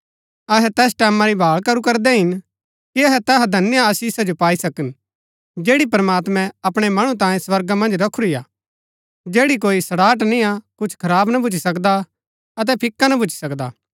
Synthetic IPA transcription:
ɐɦɛt̪ɛːsʈɛːmãɾibʱaːɭkɐɾukɐɾd̪ɛɦɪn | kiɐɦɛt̪ɛɦad̪ʱɐnjaːsiːsad͡ʒopaːisɐkən | d͡ʒeːɽipɐɾəmaːt̪mɛ̃ɐpɽ̃emɐɽ̃ũt̪ãːẽswɐɾɡamɐ̃nd͡ʒɾɐkʰuɾija̰ː | d͡ʒeːɽik̬oːisɐɽaːʈ̬nĩakʊt͡ʃʰkʰɐɾaːbnɐbʱʊt͡ʃʰisɐkd̪a | ɐt̪̬ɛpʰɪkːanɐbʱʊt͡ʃi̥sɐkd̪aː

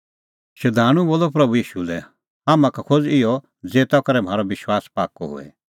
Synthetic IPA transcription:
ʃɐd̪ʱaːɽ̃ũboːlɔpɾɐbujiːʃulɛ | aːmãkakʰod͡zɪɔ | d͡zeːt̪akɐɾɛm̤ʱaːɾɔbɪʃwaːspaːkːɔɦo̰ɛ̰

